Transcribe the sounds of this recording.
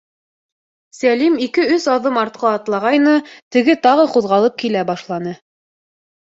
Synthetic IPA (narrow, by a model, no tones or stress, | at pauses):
sælimikɘɵsɑðɤmɑɾt̪̚qɑːt̪lˠɑʁɑjnɤt̪ɘ̆ɡɘt̪ɑʁɤquðʁɑlˠɤp̚kilæbɑʃlˠɑnɤ